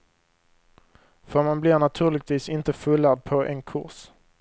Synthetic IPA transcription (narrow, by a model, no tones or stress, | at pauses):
fœɾmanblɪɾnat̪ʰʉ̟ːɾɭɪɡ̚t̪ʰviːsɪnt̪əfɵlːad̪̚pʰɔʔɛ̰nkʰʊ̰ɾs